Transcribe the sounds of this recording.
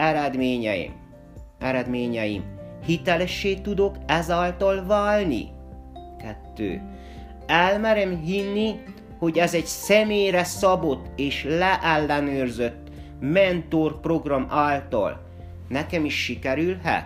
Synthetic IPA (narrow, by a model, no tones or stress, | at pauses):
ɛɾɛd̪meːɲɛḭm | ɛɾɛd̪meːɲɛjḭmhit̪ɛlɛʃːeːt̪ud̪o̞kɛzaːlt̪ɒlvaːlnḭ | kɛt̪ːø̰ː | ɛlmɛɾɛmɦinːi | ho̞ɟɛzɛɟsɛmeːjrɛsɒbo̞t̪ːeːʃlɛʔɛlːɛnøːrzøt̪ː | mɛnt̪orpro̞ɡrɒmaːlt̪ɒ̰l | nɛkɛmiʃːikɛɾylhɛ̰t̪